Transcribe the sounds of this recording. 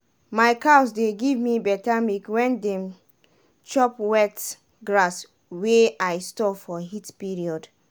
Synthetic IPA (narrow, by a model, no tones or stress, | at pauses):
maɪkaʊsdeɡivmibɛtamikwɛ̃ndɛ̃m | t͡ʃɔpwɛt | ɡɹas | weajstɔfɔɦitpiɹiɔd